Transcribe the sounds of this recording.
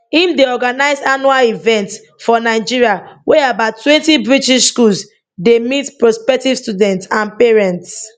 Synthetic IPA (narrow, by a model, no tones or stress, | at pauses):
ĩmdeɔɡanaɪzanualivɛ̃nt | fɔnaɪd͡ʒiɹiawʔɛabaʊtːwɛ̃ntibɹitiʃskuls | demitpɹɔspɛk̚tivstudɛ̃ntsãnpɛɹɛ̃nts